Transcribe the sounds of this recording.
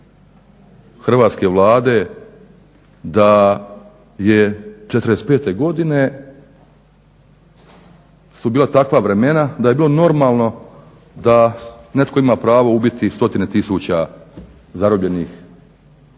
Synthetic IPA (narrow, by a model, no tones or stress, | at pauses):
xr̩ʋaːt̪ske̞ʋlˠaːd̪e̞ | d̪a | jet͡ʃet̪ɾespe̞ːt̪e̞ɡo̞d̪ine̞ | subiːlˠat̪akʋaʋɾe̞me̞nad̪ajebiːlono̞ɾmaːlˠno̞ | d̪ane̞t̪ko̞imaːpɾaːʋo̞ubit̪ist̪o̞t̪ine̞t̪isuːt͡ɕa | zaɾobʎe̞niːx